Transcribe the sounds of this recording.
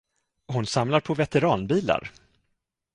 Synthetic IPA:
ɦʊnsamlaɾpʰɔvɛt̪ɛɾɑːnbiːla̰ɾ

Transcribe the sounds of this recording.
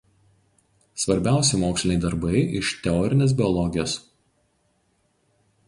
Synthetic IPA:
sʋɐɾʲbʲæˑʊsʲɛmoːksʲlʲɪnʲɛɪd̪ɐɾbɐɪɪʃt̪ʲɛɔːɾʲɪnʲeːs̬bʲɪɔlˠɔɡʲɪjoːs

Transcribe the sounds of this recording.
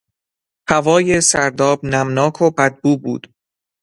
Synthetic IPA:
hævɒːje̞sæɾd̪ɒːbnæmnɒːkʰobæd̪̚buːbṵːd̪̥

